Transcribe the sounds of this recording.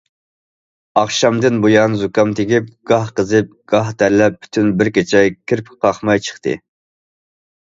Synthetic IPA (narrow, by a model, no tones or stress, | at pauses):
ɑχʃɑmd̪ɨnbojɑːnzukɑmt̪ʰɪkʲip̚ɡ̥ɑhqəzɨp̚ɡ̥ɑɦd̪æɾlɛp̚ʰːy̥t̪ʰynbɪɾkʲet͡ʃʰɛkʲʰiɾpʲqʰɑχmɑjt͡ʃʰə̥χt̪ɨ̰